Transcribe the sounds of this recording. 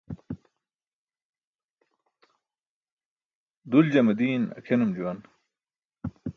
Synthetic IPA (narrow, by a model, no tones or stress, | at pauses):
d̪uld͡ʑɐmɐd̪iːnɐ̰kʰenɐmd͡ʑuwɐn